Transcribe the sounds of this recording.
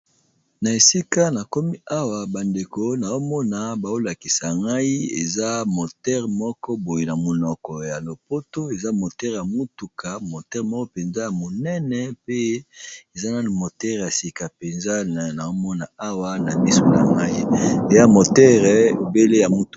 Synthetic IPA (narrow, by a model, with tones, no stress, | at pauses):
na˨e˨si˦ka˦na˨ko˦mi˦ʔa˦wa˨ba˨nde˨ko˨na˨o˦mɔ˦na˨ba˨o˦la˨ki˨sa˨ŋɡa˦i˦ḛ˨za˦mo˨tɛ˦ʁmɔ˦kɔ˦bo˨je˨na˨mo˨nɔ˨kɔ˨ja˨lo˨po˦to˦e˨za˦mo˨tɛ˦ʁja˨mu˦tu˨ka˨mo˨tɛ˦ʁmɔ˦kɔ˦pe˨nza˦ja˨mo˨nɛ˦nɛ˨pe˦e˨za˦na˦˨mo˨tɛ˦ʁja˨si˨ka˨pe˨nza˦˨na˨o˦mɔ˦na˨a˦wa˦na˨mi˦so˦na˨ŋɡa˦i˦e˨ja˦mo˨tɛ˦ʁɛ˨be˦le˦ja˨mu˦tu̥˨